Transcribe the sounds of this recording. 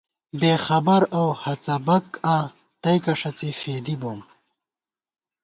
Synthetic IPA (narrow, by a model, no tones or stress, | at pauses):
beːxɐbɐɾowhɐt͡sɐbɐka | t̪ɐjkɐʂɐt͡sefeːd̪iboːm